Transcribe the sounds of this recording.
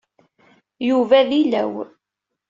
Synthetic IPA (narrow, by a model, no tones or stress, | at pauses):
juvæðilæ̰w